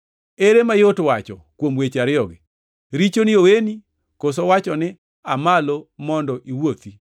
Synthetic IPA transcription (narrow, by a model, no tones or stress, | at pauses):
eɾemajotwat͡ʃɔ̰kwomwet͡ʃaɾɪɔɡɪ | ɾit͡ʃonioweni | kosowat͡ʃɔnɪ | amalomɔndɔʔiwot̪i